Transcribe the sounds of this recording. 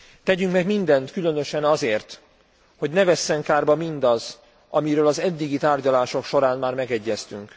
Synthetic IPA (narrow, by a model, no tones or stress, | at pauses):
t̪ɛɟyŋkmɛɡmind̪ɛnt̪kylø̞nø̞ʃɛnɒzeːrt̪ | ho̞ɟnɛvɛsːɛŋkaːrbɒmind̪ɒz | ʔɒmiɾøːlɒzɛd̪ːiɡit̪aːrɟɒlaːʃo̞kʃo̞ɾaːnmaːrmɛɡɛɟːɛst̪yŋk